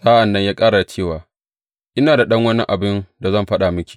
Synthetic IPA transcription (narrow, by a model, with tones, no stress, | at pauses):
saː˦ʔa˨nːɐ˦ɲjaː˦kʼaː˦ɾa˨a˨t͡ʃeː˦˨waː˨ | ʔɪ˦naː˨da˨ɗɐ˦ŋwɐ˦ni˦ʔa˨bɪ˦nda˨zɐ˦˨mɸɐ˦ɗa˨mʊ˦kʲi̥˨